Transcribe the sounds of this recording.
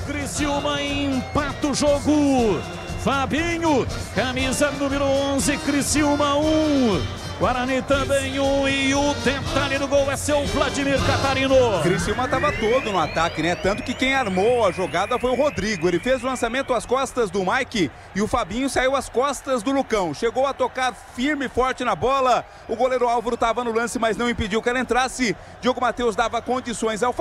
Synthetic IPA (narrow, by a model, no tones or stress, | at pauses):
kɾisiumɐẽpat̪ʊʒoɡʊ | fabĩɲʊkɐmizɐnũmɪɾʊõzɪkɾisiumɐũ | ɡaɾɐ̃nit̪ɐ̃bẽj̃ũɪʊt̪ẽt̪aɾɪd̪ʊɡowɛsewflad͡ʒimiɾkat̪aɾĩnokɾisiumɐt̪avɐt̪od̪ʊnʊat̪akɪnɛt̪ɐ̃nt̪ʊ̥kɪkẽj̃aɾmowɐʒoɡad̪ɐfojʊɦod̪ɾiɡʊelɪfezʊlɐ̃samẽnt̪ʊɐskɔst̪ɐzd̪ʊmajkɪ | ɪʊfabĩɲʊsaiwɐskɔst̪ɐzd̪ʊlukɐ̃w̃ʃeɡowɐt̪okaɾ | fiɾmɪfɔɾt͡ʃɪnɐbɔlɐ | ʊɡoleɾʊawvɐɾʊt̪avɐnʊlɐ̃sɪmɐznɐ̃w̃ĩpɪd͡ʒiwkɪɛlɐẽnt̪ɾasɪ | d͡ʒioɡʊmat̪ewzd̪avɐkõnd͡ʒisõj̃zawf